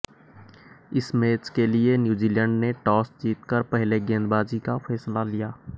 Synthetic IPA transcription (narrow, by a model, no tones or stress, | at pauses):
ɪsmeːt͡ʃkelienjuːd͡ʒiːlɛ̃ːɳɖneʈɔːsd͡ʒiːt̪kəɾpɛɦleɡẽːnd̪baːd͡ʒikafɛːslalijaː